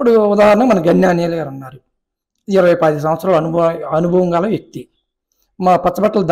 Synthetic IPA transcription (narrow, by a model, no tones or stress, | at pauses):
uɽuud̪aːɦaɾɐnɐːmɐnɐɡɐnjaːnɛːlaɾɐnːaːɾu | iɾɐʋɐjpaːd̪is̬ɐm̃ɐt̪sɾaːluɐnuɐnubʱɐʋɐŋɡaːlɐʋek̚t̪i | maːpɐt̪t͡ʃːɐbɐʈːɐlɐd̪